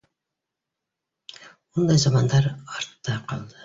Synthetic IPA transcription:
mund̪ɑjzɑmɑnd̪ɑɾɑɾt̪ːɑqʰɑlˠd̪ɨ

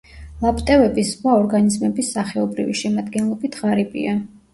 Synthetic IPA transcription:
lˠapʼt̪ʼɛvɛbiswaɔɾɡanizmɛbisːaχɛɔbɾḭvḭʃɛmad̪ɡɛnlˠɔbit̪ʰʁaɾibʼḭa

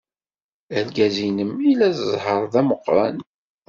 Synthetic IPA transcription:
ælɡæzinəmilæsəzˤhəɾˤðæməqːɾˤɑ̰n

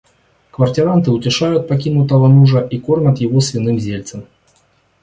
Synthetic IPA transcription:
kvɐrtʲɪɾant̪ɨʊtʲɪʂajʊt̪̚pɐkʲinʊt̪əvənuʐəʔiko̞rnʲət̪jɪvosvʲɪnɨmzʲelʲt̪səm

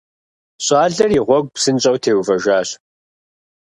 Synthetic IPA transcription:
ɕʼɑːɮɐriʁʷɔɡ̚ʷpsɨnɕʼɐwtʰeːwvɐʒʷaːɕ

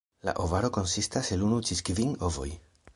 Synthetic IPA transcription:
la̰ʔovaɾo̞ko̞nsistase̞lunut͡ʃiskviŋo̞vo̞̰j

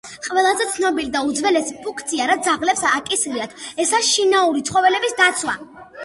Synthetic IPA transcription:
qʼvɛlˠazɛt̪sʰnɔbilid̪aud̪zvɛlɛsi̥pʰuŋkʰt̪sʰiaɾat̪ʰzaʁlɛpsːkʼisɾiat̪ʰɛsaɾisʃinauɾit̪sʰχɔvɛlɛbisd̪at̪sʰwa̰

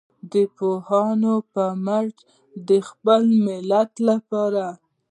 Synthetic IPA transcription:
d̪əpohɑnopəmaʈ | d̪əxpəlmɪlat̪lapɑɾa

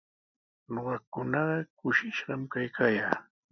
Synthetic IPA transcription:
noɢɑkʊnɑɢɑkʊʃɪʃɢɑmkajkʰaːjaː

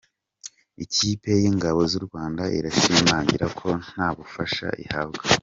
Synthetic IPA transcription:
iciːpe̞jiŋɡaβo̞zuɾɡwaːndaʔḭɾaʃiːmaːɲɟiɾakʰo̞n̥aːβufaʃa̰ʔḭhabɡa

